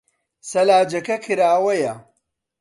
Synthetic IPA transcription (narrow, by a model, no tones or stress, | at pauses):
sɐlaːd͡ʒɐkɐkʰɨɾaːwɐjɐ